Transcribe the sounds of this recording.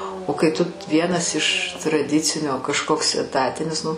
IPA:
oː kɐɪ tʊ ˈʋʲiɛnɐs ɪʃ trɐˈdʲɪt͡sʲɪnʲoː kɐʃˈkoːks ɛˈtɑːtʲɪnʲɪs ˈnʊ

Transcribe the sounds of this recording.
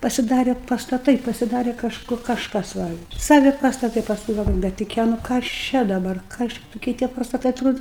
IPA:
pɐsʲɪˈdɑːrʲɛ pɐstɐˈtɐɪ pɐsʲɪˈdɑːrʲɛ kɐʃˈkʊ kɐʃˈkɐs ˈʋɐ ˈsɑːʋʲɪ pɐstɐˈtɐɪ pɐsˈkʊɪ ɡɐlˠˈʋoːjʊ bʲɛt tʊˈkʲiɛ nʊ kɐs ˈt͡ʃʲɛ dɐbɐr ˈkɐs t͡ʃʲɛ tʊˈkʲiɛ tʲiɛ pɐstɐˈtɐɪ ɐtˈroːdʊ

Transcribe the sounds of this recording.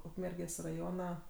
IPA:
ˈʊkmʲɛrʲɡʲeːsʲ rɐˈjoːnɐ

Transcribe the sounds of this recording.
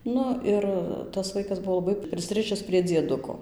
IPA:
ˈnʊ ɪr tɐs ˈʋɐɪkɐs ˈbʊʋoː lˠɐˈbɐɪ pʲrʲɪsˈrɨʃʲɪs pʲrʲiɛ d͡zʲiɛˈdʊkoː

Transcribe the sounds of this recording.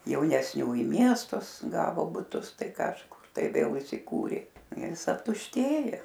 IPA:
jɛʊnʲɛsʲˈnʲuː ɪ ˈmʲiɛstʊs ˈɡɑːʋoː bʊˈtʊs ˈtɐɪ kɐʃˈkʊr tɐɪ ʋʲeːlˠ ɪsʲɪˈkuːrʲeː ˈjɪs ɐptʊʃʲˈtʲeːjoː

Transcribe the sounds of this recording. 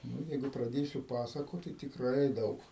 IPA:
ˈnʊ ˈjɛɪɡʊ prɐˈdʲeːsʲʊ ˈpɑːsɐkoːt tɐɪ tʲɪkˈrɐɪ ˈdɐʊk

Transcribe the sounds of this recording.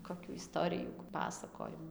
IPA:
koːˈkʲuː ɪˈstoːrʲɪjuː ˈpɑːsɐkoːjɪmʊ

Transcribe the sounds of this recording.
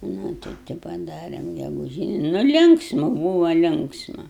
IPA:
ˈnʊ tɐɪ tɐɪ pɐˈdɑːrʲɛm ɡʲɛɡʊˈʒʲiːnʲɪ nʊ ˈlʲɪŋksmʊ ˈbuːʋɐ ˈlʲɪŋksmɐ

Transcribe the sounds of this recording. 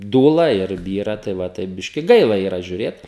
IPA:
ˈduːlˠɐ ɪr ˈbʲiːrɐ tɐɪ ʋɐ ˈtɐɪp ˈbʲɪʃʲkʲɪ ˈɡɐɪlˠɐ iːˈrɐ ʒʲʊˈrʲeːt

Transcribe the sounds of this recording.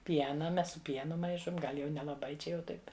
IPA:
ˈpʲiɛnɐ ˈmʲɛs sʊ ˈpʲiɛnʊ ˈmɐɪʃoːm ˈɡɐlʲ jɛʊ nʲɛlˠɐˈbɐɪ ˈt͡ʃʲɛ jɛʊ ˈtɐɪpʲ

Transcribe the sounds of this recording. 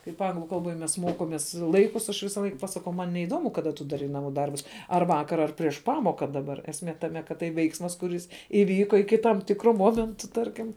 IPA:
kɐɪp ˈɐŋɡlˠʊ kɐlˠˈboːj mʲɛs ˈmoːkoːmʲeːs ˈlˠɐɪkʊs ɐʃ ˈʋʲɪsɐˈlˠɐɪk pɐsɐˈkɐʊ ˈmɐn nʲɛɪˈdoːmʊ kɐˈdɐ tʊ dɐˈrɐɪ nɐˈmuː ˈdɐrbʊs ɐr ˈʋɑːkɐr ɐr pʲrʲiɛʃ ˈpɑːmoːkɐ dɐˈbɐr ɛsʲˈmʲeː tɐˈmʲɛ kɐt ˈtɐɪ ˈʋʲɛɪksmɐs kʊˈrʲɪs ɪˈʋʲiːkoː ɪkʲɪ tɐm ˈtʲɪkroː ˈmoːmʲɛntʊ ˈtɐrʲkʲɪm

